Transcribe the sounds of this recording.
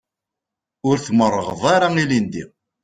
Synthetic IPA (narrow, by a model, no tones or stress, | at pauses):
ʊɾθmərˤːəʁəðˤaɾailind̪i